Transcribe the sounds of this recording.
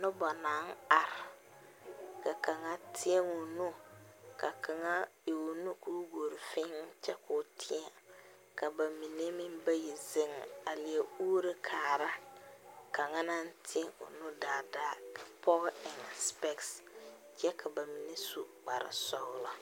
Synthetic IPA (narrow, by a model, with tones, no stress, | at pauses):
nʊ˦bɔ˨na˨˦ŋ̩˦a˨ɾɪ˨ | ka˨ka˨ŋa˦tʰɪ˦e˦ŋʊ˨nu˦ka˨ka˨ŋa˦o˨nu˦ku˦ɡo˨ɾɪ˨fɪ˦ŋ˦t͡ʃɛ˦kʊ˦tʰɪ˦a˨ | ka˨ba˨mi˨ne˦mɪ˦mba˦ji˨zɪ˦ŋ˨a˨lɪ˨e˦uː˦ɾɪ˦kʰaː˨ɾa˦ | ka˨ŋa˦na˦n˦tʰɪ˦e˦ŋʊ̰˨nu˦daː˨da˦ka˨pʰɔ˦ɣɪ˨ŋ˨spɛ˦ks | d͡ʒɛ˦kʰa˨ba˨mi˨ne˦su˨k͡pa˨ɾɪ̰˨sɔ˦wla˦